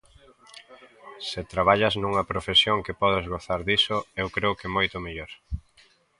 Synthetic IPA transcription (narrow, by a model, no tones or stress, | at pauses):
sɪt̪ɾaβ̞aʎɐznuŋɐpɾofesjoŋkepɔðɪzɣoθaɾðisʊewkɾeʊkɪmojt̪ʊmeʎoɾ